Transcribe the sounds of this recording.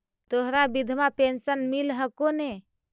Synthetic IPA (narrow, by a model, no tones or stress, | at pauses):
t̪oɦɾabid̪ʱmapensənmilɦəkone